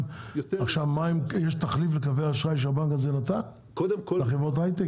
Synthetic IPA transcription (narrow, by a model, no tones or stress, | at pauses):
aχʃavmaimjeʃt̪aχliflekaveaʃʁajʃ̬eabaŋkazenat̪an | kodmaχevʁot̬ajt̪e